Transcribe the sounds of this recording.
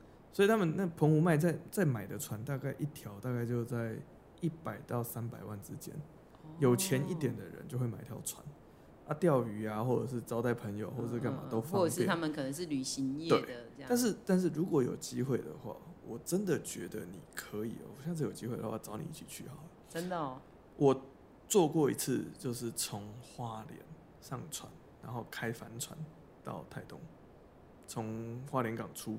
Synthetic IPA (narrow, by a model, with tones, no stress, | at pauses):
swɔ˧˥i˨˩tʰa˥mə˨nna˥˩pʰə˧˦˥ŋu˧˥ma˥˧ɪt͡sa˥˩ɪt͡sa˥˩ɪma˨˩ɪd̪ə˦t͡sʰwa˧˦nt̪a˥˧ka˥˧ɪʔi˥˩t̪ʰjɑ˧˥ʊt̪a˥˧ka˥˧ɪt͡ɕjo˥˧ʊt͡sa˥˩ɪ | i˥˩pa˨˩ɪt̪ɑ˥˨˩ʊsa˦˥npa˨ɪwa˥˩nʈ͡ʂɻ̩˦t͡ɕjɛ̰˥n | jo˨˩ʊt͡ɕʰjɛ˧˦ni˥˩t̪jɛ˨˩nd̪ə̰˨ɻə̰˧˦nt͡ɕo˥˧ʊxwe˥˩ma˨˩ɪ˧t̪ʰjɑ˧˥ʊwa̰˧˦n | a˥˧t̪jɑ˥˨ʊy˧˥a˦xwɔ˥˩ʈ͡ʂə˨˩ʂɻ̩˥˩t͡sɑ˥ʊt̪a˥˩ɪpʰə˧˦˥ŋjo̰˨ʊxwɔ˥˩ə˨ʂɻ̩˥˧ka˥˩˨ma̰˨˩˨t̪o˥ʊfɑ˥˩˥ɛ˥˨a˥mə˨kʰə˨˩nə˧˦ŋʂ̬ɻ̩˥˩ly˨˩ɕi˧˦ŋjɛ˥t̪we˥˩ɪə˩a˥˧nʂ̬ɻ̩˥˩t̪a˥˧nʂ̬ɻ̩˥˩ɻu˧˥kwɔ˧˥jo̰˨˩ʊt͡ɕi˦˥xwe˥˩ɪd̪ə̰˨˩xwa̰˥˩wɔ˨˩ʈ͡ʂə˦nd̪ə˨t͡ɕɥɛ̰˧˥d̪ə˨nḭ˨˩kʰə˧˦ḭ˨˩˨ɕjɑ˥˧ŋt͡s̬̩ʰ˥˩jo˨˩t͡ɕi˦˥we˥ɪd̪ə˨˦wa˥˩ʈ͡ʂɑ˧˥ʊnḭ˨i˥˩t͡ɕʰi˨˩t͡ɕʰy̰˥˩ɑ˨˦ | t͡sə˦nd̪ə˨ | wʔɔ˨˩ | t͡swɔ˥˧kwɔ˥˩ḭ˧˥t͡s̩ʰ˥˧t͡ɕjo˥˧ʊʂɻ̩˥˩t͡sʰo˧˦ŋxwa˦ljɛ̰˧˦n | ʂɑ˥˨˩ŋt͡sʰwa̰˨˦n | ɻa˧˦nxo˥˩ʊkʰa˦˥ɪfa˧˦nt͡sʰwa˧˦n | t̪ɑ̰˥˧ʊt̪ʰa˥˧ɪt̪ʊ˥ŋ | t͡sʰʊ˧˦ŋxwa˦˥ljɛ˧˦nkɑ˨˩ŋt͡sʰu˦